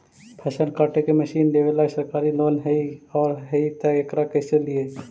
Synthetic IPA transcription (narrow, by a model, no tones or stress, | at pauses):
pʰɛːsənkaːʈekeməʃiːnd̪eːʋelaːsəɾkaːɾiloːnɦɛiɔːɾɦɛit̪əekɾakɛselie